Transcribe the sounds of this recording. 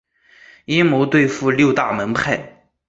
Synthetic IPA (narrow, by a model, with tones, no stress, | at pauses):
i˥mo˧˥ʊt̪we˥˧ɪfu˥˧ljo˥˧ʊt̪a˥˩mə˧˥npʰa˥˩ɪ